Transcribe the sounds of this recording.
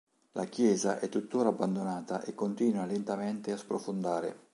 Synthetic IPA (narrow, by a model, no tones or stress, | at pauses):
lʔakjɛːzaʔɛt̪ːut̪ːoːɾaːbːand̪onaːt̪aʔekːont̪iːnwalent̪ameɛnt̪easpɾofond̪aːɾḛ